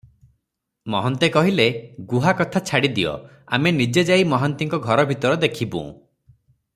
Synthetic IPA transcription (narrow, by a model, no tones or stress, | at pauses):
mɔɦɔnt̪ekɔɦileɡuɦakɔt̪ʰat͡ʃʰaɽid̪ijɔ̰ | a̰menid͡ʒed͡ʒaimɔɦɔnt̪iŋkɔɡʱɔɾɔbʱit̪ɔɾɔd̪ekʰibṵ̃